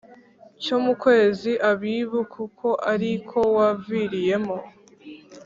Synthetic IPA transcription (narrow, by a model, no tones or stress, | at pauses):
comukwe̞ːziʔaβiβukukʰo̞ʔaɾikʰo̞waviɾije̞mo